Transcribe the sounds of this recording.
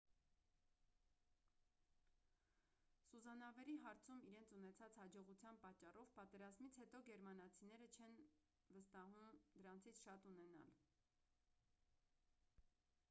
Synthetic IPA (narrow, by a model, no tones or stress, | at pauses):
suzɑnɑvɛɾiɦɑɾt͡sʰumiɾɛnt͡sʰunɛt͡sʰɑt͡shɑd͡ʒɔʁut͡sʰjɑnpɑt͡ʃːɑrɔvpɑt̪ɛɾɑzmit͡sʰhɛt̪ɔɡɛɾmɑnɑt͡sʰinɛɾət͡ʃʰɛn | vəst̪ɑɦumd̪əɾɑnt͡sʰit͡sʰʃɑt̪unɛnɑ̰l